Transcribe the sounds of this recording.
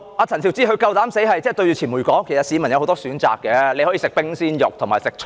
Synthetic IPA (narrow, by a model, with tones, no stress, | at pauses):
aː˨˧t͡sʰɐ˨˩nt̪ʰi˨˩wt͡siː˧˥ɦɵ˧ɥkɐ˧wt̪aː˨˥mse˨˥jɦɐ˨jt͡sɛː˥˩t̪ɵ˧ɥjyː˧t͡sʰiː˨˩nmuː˨˩jkɔː˨˥ŋkʰe˨˩sɐ˨tsi˨˧mɐ˨˩njɐ˧who˨˥wt̪ɔː˥syː˨˥nt͡sa̰ː˨kːɛː˧le˧jhɔ˨˥i˧sɪ˨k̚pɪ˥ŋsiː˥njʊ˨k̚t̪ʰʊ˨˩ŋmaː˨jsɪ˨k̚t͡ʃʰ